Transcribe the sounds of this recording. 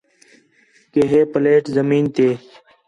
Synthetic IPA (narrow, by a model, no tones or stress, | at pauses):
keːɦeːpəleːʈzəmiːnt̪eː